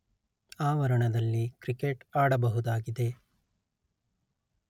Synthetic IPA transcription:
aːʋɐɾɐɳɐd̪ɐlːikɾikeʈaːɽɐbɐɦud̪aːɡid̪e̞

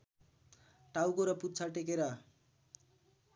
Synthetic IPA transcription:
ʈawkoɾʌput̪t͡sʰaʈek̬eɾʌ

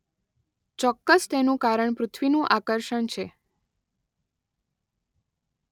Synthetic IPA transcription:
t͡ʃɔkːəst̪enũkaɾəɳpɾʊt̪ʰʋinũʔakəɾʃəɳt͡ʃʰe

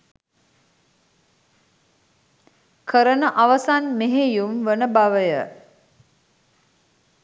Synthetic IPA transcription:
kʰəɾənəʔaʋasanmeɦejumʋənəbaʋəjə

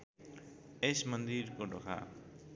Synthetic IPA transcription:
esmʌnd̪iɾkoɖokʰa̰

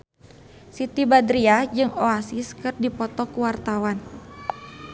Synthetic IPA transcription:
sit̪ibad̪ɾiad͡ʒɨŋoasiskɨrdipɔt̪ɔkuwart̪awan

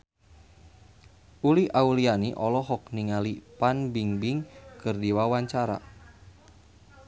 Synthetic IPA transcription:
ʔuliʔaulianiʔɔlɔɦɔkniŋalipanbiŋbiŋkɨrdiwawaɲt͡ʃaɾa̰

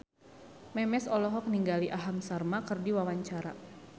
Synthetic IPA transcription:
mɛmɛsɔlɔɦɔk̚niŋɡaliʔaɦamsarmakɨrdiwawaɲt͡ʃaɾa̰

